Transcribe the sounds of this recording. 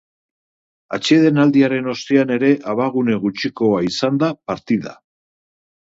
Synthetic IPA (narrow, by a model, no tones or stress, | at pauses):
a̰t͡ʃe̞ð̞e̞nald̪iaɾe̞no̞st̪eane̞ɾe̞ʔaβaɣ̞une̞ɣ̞ut͡ʃiko̞aisand̪apaɾt̪iða̰